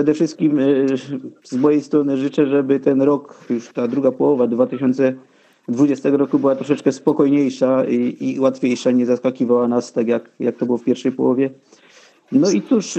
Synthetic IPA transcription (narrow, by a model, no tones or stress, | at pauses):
ʂɛd̪ɛfʂɘst̪̚kʲim | zmɔjejst̪ɾɔnɘʐɘt͡ʂɛʐɛbɘt̪ɛnɾɔkjuʂt̪ad̪ɾuɡapɔwɔvad̪vat̪ɘɕɔnt̪sɛ | d̪vud͡ʑɛst̪ɛɡɔɾɔkubɘwat̪ɾɔʂɛt͡ʂkɛspɔkɔjɲejʂaiiwat̪fʲjejʂaɲɛzaskakʲivawanast̪aɡjakjak̚t̪ɔbɘwɔfpʲjɛɾfʂɛjpɔ̰wɔvʲjɛ | nɔit̪suʂ